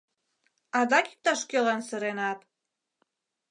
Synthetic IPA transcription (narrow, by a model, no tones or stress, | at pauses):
ɑd̪ɑki̥k̚t̪ɑʃkʲølɑnsəɾenɑt̪